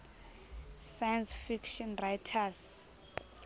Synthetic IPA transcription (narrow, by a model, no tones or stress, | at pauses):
sajansfikʃɔnrajtʰas